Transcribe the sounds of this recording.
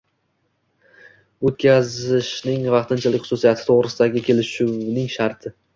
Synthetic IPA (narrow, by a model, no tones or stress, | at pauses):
ot̪̚kʲʰazɪʃnɪŋvɑqt̪ʰɪnt͡ʃʰalɪkʲχʊsusijat̪ʰɪ̥t̪ʰoʁɾɪsɪd̪aɡʲɪkʲʰe̞lɪʃuwnɪŋʃaɾt̪ʰɪ